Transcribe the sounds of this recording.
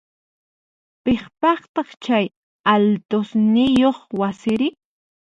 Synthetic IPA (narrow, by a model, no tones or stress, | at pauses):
peχpɑχt̪ɑχt͡ʃaj | alt̪osnɪjoχwasɪɾɪ